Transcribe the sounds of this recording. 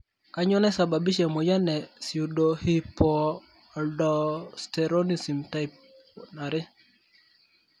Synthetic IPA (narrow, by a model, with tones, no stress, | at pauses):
ka˦ɲɔ˦nɛ˦sa˨ba˨bi˦ʃɛ˨mɔ˨ja˦nɛ˨si˨u˨do˨hi˦pɔ˨ | a˨ldɔ˨stɛ˨ɾo˦ni˨si˨mta˦i˨p̚ | na˨ɾɪ˦